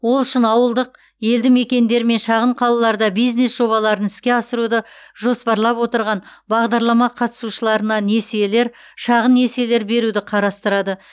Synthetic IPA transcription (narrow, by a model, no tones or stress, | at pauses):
wo̞lˠʏʃɪnɑwəlˠd̪əq | je̞ld̪ɪme̞kʲe̞nd̪e̞ɾɪme̞nʃɑʁəɴqʰɑlˠɑlˠɑɾd̪ɑbijzne̞sʒo̞βɑlˠɑɾənɪskʲe̞ɑsəɾud̪əʒo̞spɑɾlˠɑpwo̞t̪əɾʁɑnbɑʁd̪ɑɾlˠɑmɑqʰɑt̪ə̥suʃəlˠɑɾənɑne̞siele̞ɾ | ʃɑʁənːe̞sele̞ɾbe̞ɾud̪ɪqʰɑɾɑst̪əɾɑd̪ə